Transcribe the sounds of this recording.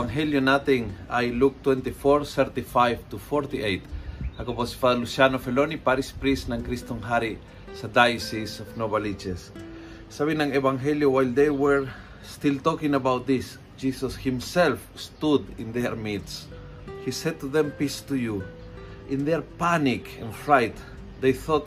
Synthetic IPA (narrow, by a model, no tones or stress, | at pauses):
aŋɦeljonat̪ĩŋajluk̚t̪wɛ̃nt̪ifoɹθɛɾt̪ifajvt̪ufoɾt̪iejt̪hakobosfaðalusjanofelonipaɾispɾisnãŋkɾist̪oŋɦaɾi | sad̪ajsisofnobalit͡ʃes | saβĩnãŋevãŋɦeljowajld̪ejwəɹ | st̪ilt̪ɔkĩŋabawt̪̚d̪is | d͡ʒisoshĩmsɛlfst̪ud̪ḭ̃nd̪eɹmit̪s | hisɛd̪̚t̪uðɛ̃mpist̪uju | ʔĩnd̪ɛɹpanikɛ̃nfɾajt̪ | d̪ejθɔt̪